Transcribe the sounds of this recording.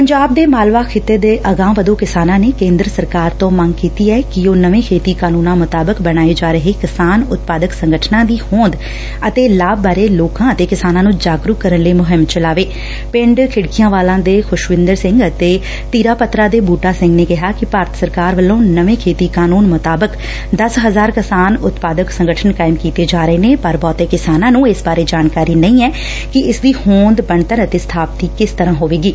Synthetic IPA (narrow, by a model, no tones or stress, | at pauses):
pəɲd͡ʒaːb̚d̪eːmaːlʋaːkʰɪt̪ːeːd̪eːʔəɡãːʋəd̪õːkɪsaːnãːneːkẽːnd̪ɾəsəɾkaːɾt̪õːməŋɡkiːt̪iːɛːkɪoːnəʋẽːkʰeːt̪iːkaːnũːnãːmʊt̪aːbəkbəɽ̃aːeːd͡ʒaːɾəɦeːkɪsaːnʊt̪̚paːd̪əksəŋɡəʈʰnãːd̪iːhõːnd̪ | ət̪eːlaːbbaːɾeːloːkãːət̪eːkɪsaːnãːnũːd͡ʒaːɡɾukəɾənləiːmʊɦɪmt͡ʃəlaːʋeː | pɪ̃ɳɖkʰɪɽkijãːʋaːlãːd̪eːkʰʊʃʋɪ̃nd̪əɾsɪ̃ŋɡət̪eː | t̪iːɾaːpət̪ɾaːd̪eːbuːʈaːsɪ̃ŋɡneːkɪɦaːkɪpaːɾət̪səɾkaːɾʋəlːõːnəʋẽːkʰeːt̪iːkaːnuːnmʊt̪aːbək | d̪əsɦəzaːɾkɪsaːnʊt̪paːd̪əksə̃ŋɡəʈʰənkaːɪmkiːt̪eːd͡ʒaːɾəeːneːpəɾbɔːt̪eːkɪsaːnãːnũːɪsbaːɾeːd͡ʒaːnkaːɾiːnəĩːɛː | kɪɪsd̪iːhõːnd̪bəɳt̪əɾət̪eːsə̥t̪ʰaːp̚t̪iːkɪst̪əɾãːɦoːʋeːɡiː